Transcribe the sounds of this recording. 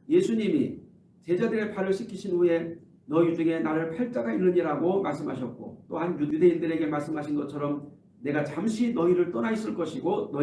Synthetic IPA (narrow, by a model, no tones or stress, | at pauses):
je̞sʰuɲimi | t͡ɕe̞d͡ʑadɯɾe̞paɾɯɭɕʰikʰiɕʰinue̞ | nʌid͡ʑuŋe̞naɾɯɭpʰaɭt͡ɕ͈aɡainːɯɲiɾaɡomaɭs͈ɯmɦaɕʰʌt̚k͈o̰t͈ohanjuude̞indɯɾe̞ɡe̞maɭs͈ɯmɦaɕʰinɡʌt͡ɕʰʌɾʌm | ne̞ɡat͡ɕamɕʰinʌiɾɯɭt͈ʌnais͈ɯɭk͈ʌɕʰiɡonʌ